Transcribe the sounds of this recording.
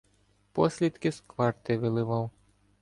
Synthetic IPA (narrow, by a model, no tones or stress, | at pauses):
pɔsʲlʲid̪kɪskʋɑrt̪ɪʋɪlˠɪʋɑw